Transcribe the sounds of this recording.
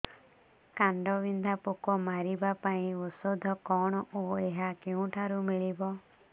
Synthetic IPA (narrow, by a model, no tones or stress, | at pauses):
kaɳɖɔbind̪ʱapokɔmaɾibapaĩɔsod̪ʱɔkɔɽ̃ɔoeɦakeũʈʰaɾumiɭibɔ